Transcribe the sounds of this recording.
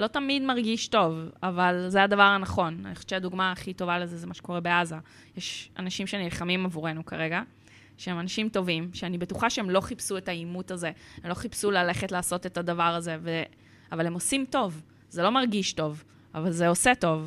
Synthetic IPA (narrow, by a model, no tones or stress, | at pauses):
lo̞tamidmaʁɡiʃto̞vavalzeadavaʁhanaχo̞na̰niχo̥ʃe̥t͡ʃeaduɡmaːχito̞valezezemaʃe̥ko̞ʁebeaza | jeʃa̰naʃimʃenilχamimavuʁe̞nukaʁe̞ɡa | ʃeemanaʃimto̞vimʃeanibe̞tuχaʃeemlo̞χipsuetaimutaze̞emlo̞χipsulale̞χetlaːso̞te̞tadavaʁaze̞ve | avale̞mosimto̞v | zelo̞maʁɡiʃto̞v | avalzeose̞to̞v